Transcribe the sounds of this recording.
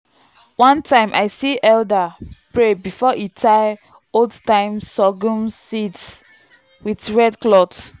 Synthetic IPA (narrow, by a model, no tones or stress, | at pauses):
wãntʰãɪ̃mʔaɪsiʔɛldapɹebifɔʔitʰaɪ | oldtãɪ̃msɔɡũnsits | widɹɛdklɔt